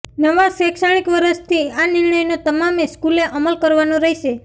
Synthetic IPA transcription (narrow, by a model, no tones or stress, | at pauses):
nəʋaʃɛkʃaɽ̃ikʋəɾəst̪ʰianɪɾɳəjnot̪əmameskuleʔəməlkəɾʋanõɾəɦiʃe